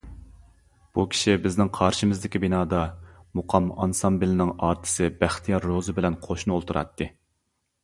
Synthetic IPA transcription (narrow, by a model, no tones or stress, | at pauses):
b̥ukʲʰi̥ʃibɪznɪŋqʰɑɾʃimɪzd̪ɪkʲʰibinɑːd̪ɑmuqʰɑmɑnsɑmbɪlɪnɪŋɑːɾt̪ʰɨ̥sɨbæχt̪ʰijɑɾːozɨbɪlɛnqʰoʃnɨolˠt̪ʰuɾɑ̰t̪ʰːɨ